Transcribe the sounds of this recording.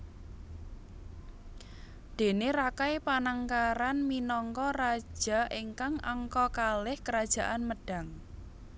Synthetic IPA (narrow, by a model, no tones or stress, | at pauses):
d̪̥e̤neɾakajpanaŋkaɾanminɔŋkɔrḁʒ̥a̤ʔiŋkaŋa̰ŋkɔkalɪhkəɾad̥ʒ̥a̤ʔanməɖ̥a̤ŋ